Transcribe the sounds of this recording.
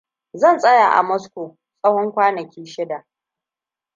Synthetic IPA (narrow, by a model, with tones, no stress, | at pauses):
zɐ˦˨nsʼɐ˦jaː˨ʔa̰˨mɔ˦skʷo˨ | sʼɐ˦whɔ˦ŋkʷaː˦nɐ˨kʲiː˦ʃɪ˦da˨ʔ